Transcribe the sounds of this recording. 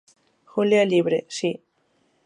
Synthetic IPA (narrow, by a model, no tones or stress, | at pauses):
xuljaliβɾesi